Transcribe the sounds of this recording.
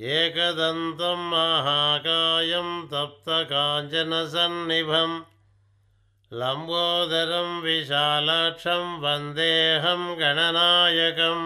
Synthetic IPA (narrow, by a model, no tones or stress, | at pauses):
eːkɐd̪ɐnt̪ɐmːɐɦaːkaːjɐmt̪ɐp̚t̪ɐkaːɲt͡ʃɐnɐs̬ɐnːibʱɐm | lɐmboːd̪ʱɐɾɐmʋiʃaːlaːʈʂɐmʋɐnd̪eːɦɐmɡɐɳɐnaːjɐkɐm